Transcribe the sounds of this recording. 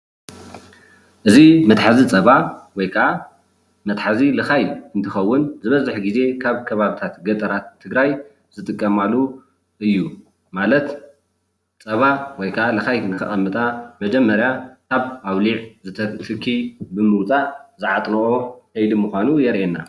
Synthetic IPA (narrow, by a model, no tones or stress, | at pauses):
ʔɨzimɐt̪ħazit͡sʼɐβawɔjkʰɐʔa | mɐt̪ħazilɨxajɨnt̪ʰɨxɐwːʊnzɨβɐzɨħɡize̞kʰaβkʰɐβaβit̪ʰat̪ɡɐt̪ʼɐɾat̪ʰːɨɡɾaj | z̥ɨt̪ʼɨkʼːɐmalu | ʔɨjːu | malɐt̪ | t͡sʼɐβawɔjkʰɐʔalɨxajnɨkɨ̰xʼɐmːɨt̪ʼamɐd͡ʒɛmːɐɾjakʰaβawliʕzɨt̪ʰɐt̪ʰɨkʰːibɨmɨwt͡sʼazɨʕat̪ʼnɐʔokʰɐjlimuxʷanujɛɾʔenːa